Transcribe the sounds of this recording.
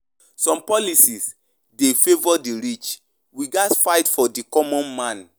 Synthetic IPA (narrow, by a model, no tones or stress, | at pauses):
sɔ̃mpɔlisis | defevɔdiɾit͡ʃ | wiɡasfaɪtfɔdikɔmɔ̃nmãn